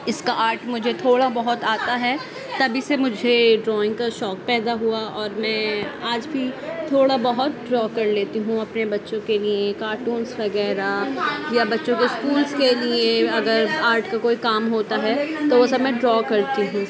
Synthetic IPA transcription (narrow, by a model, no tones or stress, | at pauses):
ɪskaʔaːɾʈmʊd͡ʒʱet̪ʰoːɽabɐɦʊt̪aːt̪aɦɛ | t̪ɐbʱisemʊd͡ʒʱeɖɾɔːɪ̃ŋɡ̚kaʃɔːk̚pɛːd̪aɦuaɔːɾmɛ̃ːaːd͡ʒbʱit̪ʰoːɽabɐɦʊt̪̚ɖɾɔːkɐɾleːt̪iɦũɐpnebɐtːʃõkeliekaːɾʈũːnsʋɐɡɛːɾajabɐtːʃõkeskuːlzkelieɐɡəɾaːɾʈkakoːikaːmɦoːt̪aɦɛt̪oʋosɐbmɛ̃ɖɾɔːkɐɾt̪iɦũ